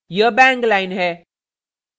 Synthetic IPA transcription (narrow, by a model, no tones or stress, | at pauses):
jəbɛ̃ŋɡlaɪnɦɛː